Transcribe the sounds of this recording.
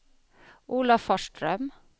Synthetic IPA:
ʔuːlɑfɔʃʈɾœm

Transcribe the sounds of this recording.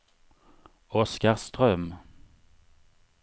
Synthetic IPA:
ɔskəʁst̪ʁœm

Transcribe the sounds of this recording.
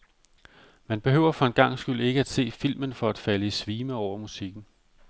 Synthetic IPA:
mænb̥e̝ɦø̰ʊ̰ɐfɒ̽enɡ̥ɑ̈ŋ̰sɡ̥yl̰e̝ɡ̥əæd̥se̝̰ːfil̰mənfɒ̽æd̥fæləisʋiːməɒʊ̰ɐmusiɡ̥n̩

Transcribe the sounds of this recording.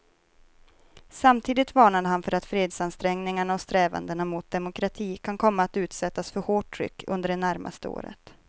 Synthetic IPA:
samt̪ʰiːd̪ɪt̪vɑːɳad̪əɦanfœɾat̪fɾeːd̪sanst̪ɾɛŋnɪŋaɳaɔst̪ɾɛːva̰nd̪əɳamʊt̪̚d̪ɛmʊkʰɾat̪ʰiːkʰankʰɔmːaːt̪ʉ̟ːt̪sɛt̪ːasfœɾhoːʈʰːɾʏ̰kːɵ̰nd̪əɖɛnæɾmʔa̰st̪əo̰ːɾə̰t̪

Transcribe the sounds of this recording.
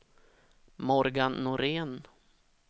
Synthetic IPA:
mɔɾɡanːʊɾeːn

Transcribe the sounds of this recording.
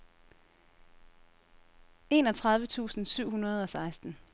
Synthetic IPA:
e̝ːnɒ̽t͡sʰʁɑ̈ð̞ˠʋət͡sʰṵːsn̩syʊ̰hunɐð̞ˠɒ̽sɑ̈ɪsd̥n̩

